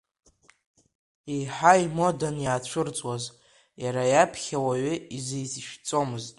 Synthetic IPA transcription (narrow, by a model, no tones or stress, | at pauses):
iħaimo̞danjaːt͡ɕʷʰɨrt͡sʷʼwaz | jaɾajapʰχʲawaɥʏizejzʃᶣt͡sʼo̞mɨztʼ